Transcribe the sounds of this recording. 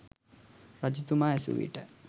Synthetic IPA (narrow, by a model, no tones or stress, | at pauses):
ɾad͡ʒut̪umaːesṵʋḭʈə